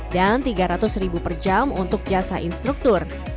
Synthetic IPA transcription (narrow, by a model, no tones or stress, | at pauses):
dant̪iɡaɾat̪ʊsribupərd͡ʒamunt̪ʊk̚d͡ʒasaʔinst̪ɾuk̚t̪ʊr